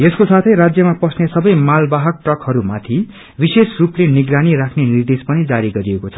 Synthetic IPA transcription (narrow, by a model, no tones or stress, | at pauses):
eskosat̪ʰʌjɾad͡zjʌmapʌsnesʌbʌjmalbaɦʌk̚ʈrʌkhʌɾumat̪ʰi | bisesrupleniɡraniɾakʰnenird̪espʌnid͡zaɾiɡʌɾiekot͡sʰʌ̥